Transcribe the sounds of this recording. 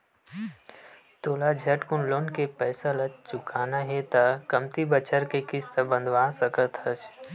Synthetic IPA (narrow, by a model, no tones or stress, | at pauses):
t̪oːlad͡ʒʱɛʈkʊnloːnkepɛːsalɐt͡ʃt͡ʃʊkaːnaɦɛt̪akəmt̪ibət͡ʃəɾkekɪst̪əbə̃nd̪ʱʋaːsəkət̪ɦət͡ʃ